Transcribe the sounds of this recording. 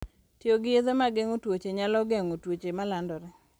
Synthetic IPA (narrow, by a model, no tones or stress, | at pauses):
tjoɡɪezemaɡeŋotwot͡ʃeɲalɔɡeŋotwot͡ʃemalandɔɾɛ